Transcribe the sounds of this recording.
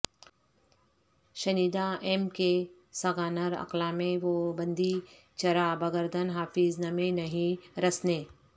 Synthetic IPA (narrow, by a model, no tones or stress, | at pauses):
ʃɐniːd̪aʔeːmke | sɐɡaːnəɾɐ̰qlamẽʋobɐ̃nd̪i | t͡ʃɐɾaːbɐɡəɾd̪ʱənɦaːfɪznɐmẽnɐɦĩɾɐsneː